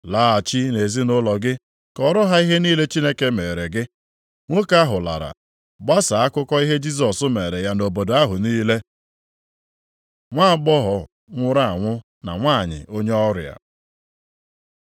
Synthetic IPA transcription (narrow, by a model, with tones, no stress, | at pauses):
laː˦a˨t͡ʃi˦ne˨zi˦nʊ˦lɔ˨ɡɪ˦ | kɔ˨ɾʊ˦ɦa˦i˦ɦe˦niː˦le˦t͡ʃi˦ne˦ke˦me˨ɾe˨ɡɪ˦ | ŋʷo˦ka˦ɦʊ˨la̰˨ɾa̰˨ | ɡ͡ba˦sa˨a˦kʊ˦kɔ˦i˦ɦe˦d͡ʒi˦s̬ɔ˨sʊ˦me˨ɾe˨ja˦no˨bo˨do˨a˦ɦʊ˨niː˦le˦ | ŋʷa˦˨ɡ͡bɔ˦ɦɔ˨ | ŋʷʊ˦ɾa˦a˨ŋʷʊ˦ | na̰˨ŋʷaː˦˨ɲɪ̰˨ʔo˦ɲe˦ɔ˦ɾa̰˨